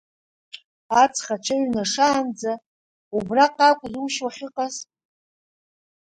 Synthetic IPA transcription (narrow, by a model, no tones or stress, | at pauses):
at͡sʰʼχaʈ͡ʂʰaɥnaʂaːnd͡za | ubraqʼakʷʼzuwʃwaχʲɪqʼaz